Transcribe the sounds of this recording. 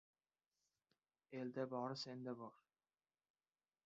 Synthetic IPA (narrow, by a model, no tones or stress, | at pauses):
eld̪æbɒɾɤsend̪æbɒɾ